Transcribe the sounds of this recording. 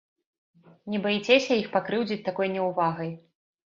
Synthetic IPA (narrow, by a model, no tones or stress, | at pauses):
nʲɛbajt͡sʲɛsʲɐjixpakɾɨwd͡zʲit͡sʲt̪akɔjnʲɛwvaɣɐj